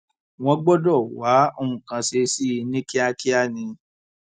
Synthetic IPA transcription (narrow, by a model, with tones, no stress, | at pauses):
w̃ɔ̃˧ɡ͡bɔ˦dɔ˦˨wa˨˦o˧ũ˨kã˧se˧si˦i˧nĩ˦ki˦a˧ki˦a˦˨nĩ˧